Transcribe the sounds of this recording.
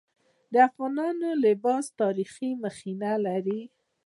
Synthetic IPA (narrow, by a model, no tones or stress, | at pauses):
d̪əafɣɑnɑnolɪbɑst̪ɑɾiximəxinalaɾi